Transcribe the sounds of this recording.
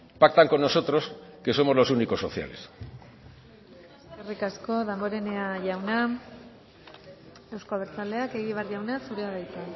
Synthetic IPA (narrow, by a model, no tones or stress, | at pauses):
pak̚t̪aŋko̞nːo̞so̞t̪ɾo̞ske̞so̞mo̞zlo̞suniko̞sːo̞̰θja̰le̞̰s | esekerikasko̞ðamboɾe̞ne̞aʝawna | e̞wskoaβeɾt͡sale̞ake̞ɣ̞iβ̞eɾʝawnasuɾeaðajt̪a